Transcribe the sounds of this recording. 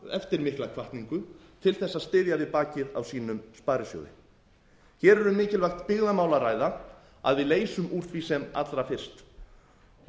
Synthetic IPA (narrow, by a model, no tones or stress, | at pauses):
ɛft̪ɪɾmɪhklakʰvaht̪niŋkʏt̪ʰɪlθɛsːaðst̪ɪːðjavɪðpaːcɪða̰wsiːnʏmspaːɾɪsjo̰ːwðɪ̰ | çɛːɾɛɾʏmɪːcɪlvajxt̪pɪɣðamaːwlaɾaːjða | a̰ðvɪðleːjsʏmuːɾ̥θɾisɛma̰t̪lɾafɪr̥st̪